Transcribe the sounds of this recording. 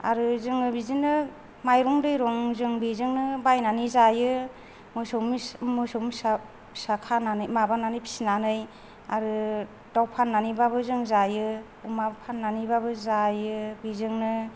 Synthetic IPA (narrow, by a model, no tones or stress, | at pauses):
a̰ɾɯzɯŋɯbizɯŋnɯ | majɾɔŋdɯjɾɔŋzɯŋbizɯŋnɯbajnanizajɯ | mɯsɔmmɯsɔms | sakʰananɯjmabananɯjpʰi̥sinanɯj | a̰ɾɯ | dawpʰanːanibabɯzɯŋzajɯ | umapʰanːanibabɯzajɯbizɯŋnɯ